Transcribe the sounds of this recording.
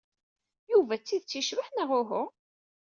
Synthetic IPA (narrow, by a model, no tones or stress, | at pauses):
juvæt͡sːiðt͡sːiʃvəħnəʁʊɦʊ